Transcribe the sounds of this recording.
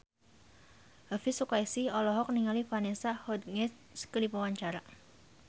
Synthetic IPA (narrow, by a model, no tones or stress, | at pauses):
ɦəfisukaisiɔlɔɦɔk̚niŋalifanesahɔd̪̚ŋɛt | skəlipawaɲt͡ʃaɾa